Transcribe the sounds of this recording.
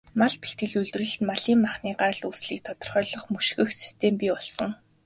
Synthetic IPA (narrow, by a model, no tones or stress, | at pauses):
maɮpi̥ɬt̪̚ɡɘ̆ɮɵɮt̪rɘ̆ɮ̆maɮiːmːaχniːɢaɾə̆ɮuːsɮiːk̚t̪ʰɔt̪ɞ̥̆rχœːɮɞ̆χmɵʃxɘ̆xsi̥st̪ʰeːmpʲiːɔɮsɞ̆ŋ